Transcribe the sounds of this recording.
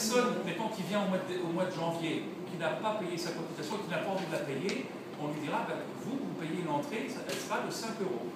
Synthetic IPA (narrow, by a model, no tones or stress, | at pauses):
ʁsɔndekɔ̃kʲivjɛ̃omwad̪omwad̪əʒɑ̃vje | kʲinapapejesakɔ̃pyt̪asjɔ̃kʲilnapaɑ̃vid̪əlapeje | ɔ̃lɥid̪iʁabã | vuvupejeynɑ̃t̪χesaɛlsəʁad̪əsɛ̃køʁo